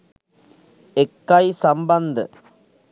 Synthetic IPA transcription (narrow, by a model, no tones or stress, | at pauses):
ɛkːajsɐmbɐnd̪ɨ